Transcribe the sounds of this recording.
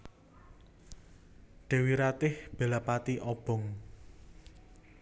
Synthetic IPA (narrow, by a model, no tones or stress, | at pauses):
ɖ̥e̤wiɾat̪ɪhb̥e̤lapat̪iʔɔb̥ɔ̤ŋ